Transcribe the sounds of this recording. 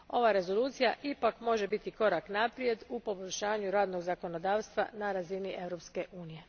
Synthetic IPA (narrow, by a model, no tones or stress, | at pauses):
o̞ʋaɾe̞zo̞lˠuːt̪sija̰ʔipakmo̞ʒe̞bit̪iko̞ɾaknapɾije̞d̪upo̞bo̞ʎʲʃaːɲuɾaːd̪no̞ɡzako̞no̞d̪aːʋst̪ʋa̰naɾaziniʔe̞ʋɾo̞pske̞ʔuːnije̞